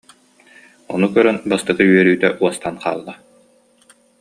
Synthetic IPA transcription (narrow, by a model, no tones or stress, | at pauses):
ɔnukœɾœnbast̪ɯkɯyɛɾyːt̪ɛʔuɔst̪anqa̰ːlˠːa